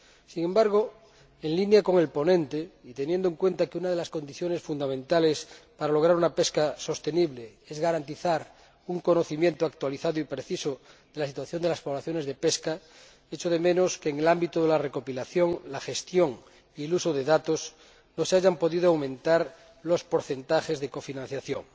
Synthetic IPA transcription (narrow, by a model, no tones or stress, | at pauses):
siŋẽ̞mbaɾɣo | e̞nlinjako̞ŋe̞lpo̞nẽ̞nt̪eit̪e̞njend̪oe̞ŋkwe̞nt̪akeunaðe̞lasko̞nd̪iθjo̞ne̞sfund̪amẽ̞nt̪ale̞spaɾalo̞ɣ̞ɾaɾunape̞skaso̞st̪e̞niβleezɣaɾant̪iθaɾ | uŋko̞noθimje̞nt̪oak̚t̪waliθaðoipɾe̞θisoðelasit̪waθjo̞nd̪elaspo̞βlaθjo̞ne̞zðepe̞ska | e̞t͡ʃoðemẽ̞no̞skeːŋelambit̪oðelare̞ko̞pilaθjo̞ŋlaxe̞st̪jo̞ŋ | ielusoðe̞ðat̪os | no̞seaʝampo̞ðiðoawmẽnt̪aɾ | lo̞spo̞ɾθe̞nt̪axe̞zðeko̞finãn̟θjaθjo̰ŋ